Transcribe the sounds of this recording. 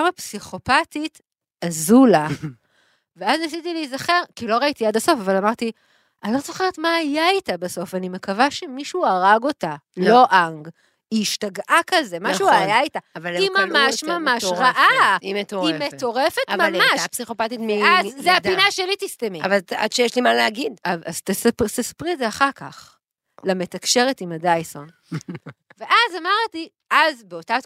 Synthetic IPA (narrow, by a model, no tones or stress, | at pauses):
amapsiχo̞patit | azula | veaznasitilijzaχe̞ʁkiloʁait̪iadaso̞favalamaʁt̪i | ʔanilozoχeʁet̪maːjaitabaso̞fanime̞kavaʃemiʃuaʁaɡo̞talo̞ʔaŋɡ | iːʃtaɡʔakazemaʃuajaitaavalimammaʃmamaʃʁaʔaimet̪oimetto̞ʁefetmamaʃpsiχopat̪it̪meazzeadinaʃelit̪istemiavala̰d̪ʃejeʃlimaleaɡid̪avazt̪est̪espʁizeaχaʁka̰χ | lame̞tɐkʃe̞ʁetimadajso̞n | ve̞ʔazamaʁti | azbeo̞ta